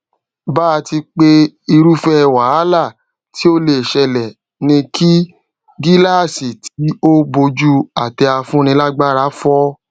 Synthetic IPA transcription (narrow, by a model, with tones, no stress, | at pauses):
baː˦˧ti˧k͡pe˦ | i˧ɾu˦fɛ˦˧˨wa˨˦a˦la˦˨ | ti˨˦o˦le˧˨ʃɛ˧lɛ˨ | nĩ˧kʰi˦ | ɡi˦la˦˨si˨tʰi˨˦o˦bo˧d͡ʒu˦a˨tɛ˧a˧fũ˦ñĩ˧la˦ɡ͡ba˦ɾa˨˦fɔ˦